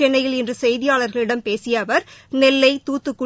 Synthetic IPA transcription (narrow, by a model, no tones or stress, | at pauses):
ɛɳːɐjɪlɪndrɯsɛjðɪjaːɭɐɾɣɐɭɪɽɐmpeːsɪjɐʋɐɾnɛlːɐɪt̪uːt̪ːɯkːʊ